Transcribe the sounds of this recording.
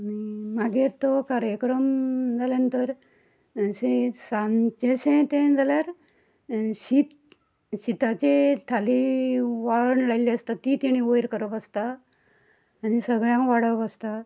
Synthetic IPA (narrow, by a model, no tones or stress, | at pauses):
nimaɡeɾt̪ɔkaɾjəkɾəmd͡zalent̪əɾ | sesãnt͡ɕeɕẽt̪ẽd͡zaljaɾ | ɕit̪ | ɕit̪at͡ɕet̪ʰaliʋaɭɳlajliəst̪at̪ːit̪iɽ̃iojɾkəɾəpəst̪a | nisəɡɭjãŋkʋaɽəpast̪a